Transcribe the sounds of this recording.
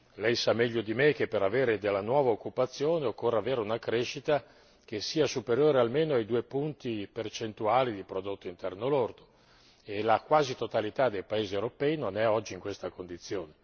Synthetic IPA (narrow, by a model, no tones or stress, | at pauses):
lɛjsamːɛʎːod̪imek̟epːeɾaveːɾed̪elːanwɔːvaokːupat̪sːjoːneokːorːeaveːɾeunakɾeʃit̪a | k̟esiːasupeɾjoːɾealmeːnoajd̪uːepunt̪ipert͡ʃent̪uaːlid̪ipɾod̪ot̪ːoint̪ɛrnolord̪o̥ | elakwaːzit̪ot̪alit̪ad̪ejpaeːziewɾopɛinonɛɔd͡ʒːiiŋkwest̪akond̪it̪sːjoːne